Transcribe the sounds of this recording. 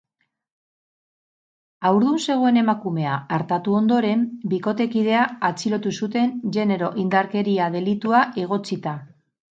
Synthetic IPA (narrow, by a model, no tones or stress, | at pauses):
awɾð̞unse̞ɣ̞o̞e̞ne̞makume̞aːɾt̪at̪uo̞nd̪o̞ɾe̞mbiko̞t̪e̞kið̞e̞aat͡siɾo̞t̪usut̪e̞nʝe̞ne̞ɾo̞ʔind̪aɾke̞ɾiað̞e̞lit̪uaʔe̞ɣ̞o̞t͡sit̪a